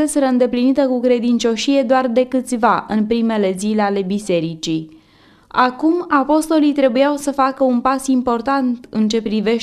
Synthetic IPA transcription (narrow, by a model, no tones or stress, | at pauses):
eseɾəɨnd̪e̞plinit̪əkukɾe̞d̪int͡ʃo̞ʃije̞d̪oard̪e̞kɨt̪sʲvaʔɨnpɾime̞le̞zileale̞bise̞ɾit͡ʃi | akumapo̞st̪o̞lijt̪ɾe̞bujawsəfakəunpasimpo̞rt̪ant̪ɨnt͡ʃe̞pɾive̞ʃ